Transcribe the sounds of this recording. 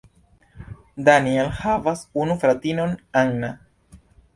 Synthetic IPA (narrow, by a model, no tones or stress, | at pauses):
danielhavasunufɾatino̞naŋna